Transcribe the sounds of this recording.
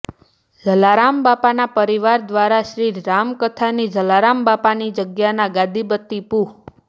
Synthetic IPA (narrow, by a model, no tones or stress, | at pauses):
d͡ʒəlaɾambapanapəɾiʋaɾd̪ʋaɾaʃɾiːamkət̪ʰanid͡ʒʱəlaɾambapanid͡ʒəɡjanaɡãd̪ibət̪ːipu